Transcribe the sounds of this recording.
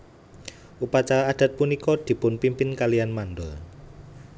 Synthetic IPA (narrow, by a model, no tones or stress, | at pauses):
ʔupat͡ʃaɾaːd̪̥a̤t̪̚punikɔd̪̥i̤pʊnpimpɪnkalijanmand̪ɔl